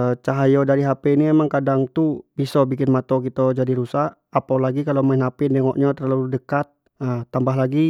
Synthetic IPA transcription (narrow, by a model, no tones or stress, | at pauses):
t͡ʃaɦajɔdaɾiɦapɛiniɛmaŋkadaŋt̪ubisɔbikɪnmat̪ɔkit̪ɔd͡ʒadiɾusaʔːpawlaɡikalomainapɪndeŋɔʔɲat̪ərlaludəkat̪̚ | ət̪ːambaɦlaɡi